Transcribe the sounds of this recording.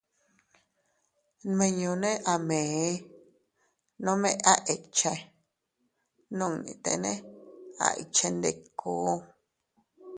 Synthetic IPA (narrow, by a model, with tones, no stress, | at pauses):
mẽ˧ɲõ˧nẽ˦ʔa˨mẽ˨˦ | nõ˦mẽ˦˧a˦ʔe˨t͡ʃe˧ | nũ˦˨nḭ̃˧˨t̪ḛ˧˨nẽ˦a̰˨ʔḭ˨t͡ʃe˧nd̪e˧˨kʰoː˨˦